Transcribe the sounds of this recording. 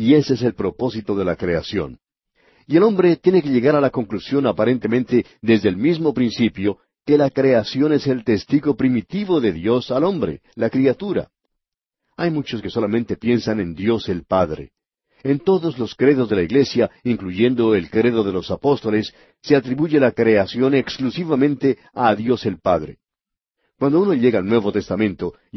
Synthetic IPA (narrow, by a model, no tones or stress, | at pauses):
ie̞ses̬e̞lpɾo̞po̞sit̪o̞ðe̞lakɾe̞asjo̞̰n | ie̞lo̞mbɾe̞t̪jenek̬e̞ʎe̞ɣaɾalako̞ŋklusjo̞napaɾe̞nt̪emẽ̞nt̪e̞ | ðe̞zðelmizmo̞pɾinsipjo | ke̞lakɾe̞asjo̞ne̞se̞lt̪e̞st̪iɣo̞pɾimit̪iβo̞ðe̞ðjo̞salo̞mbɾe̞̰lakɾiat̪uɾa̰ | ajmut͡ʃo̞ske̞so̞lamẽnt̪e̞pje̞nsane̞nd̪jo̞se̞lpaðɾḛ | ent̪o̞ðo̞zlo̞skɾe̞ðo̞zðe̞laiɣle̞sjaiŋkluʝe̞nd̪o̞e̞lkɾe̞ðo̞ðe̞lo̞sapo̞st̪o̞le̞sː | e̞at̪ɾiβuʝe̞lakɾe̞asjo̞ne̞ksklusiβamẽnt̪e̞ | aðjo̞se̞lpaðɾe̞̰ | kwand̪ouno̞ʎe̞ɣaːlnwe̞βo̞t̪e̞st̪amẽ̞nt̪o̞